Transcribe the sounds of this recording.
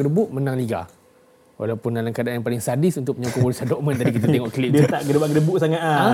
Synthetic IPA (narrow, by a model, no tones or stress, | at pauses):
ɡədəbʊʔmənaŋliɡa̰ | wa̰lawpʊndalamkadaʔanjaŋpalɪŋsadisunt̪ʊk̚ʔpəɲakɔwolisadɔʔmə̃nt̪adikit̪at̪eŋɔʔklidiət̪aʔɡədəbaɡədəbuʔsaŋat̪̚a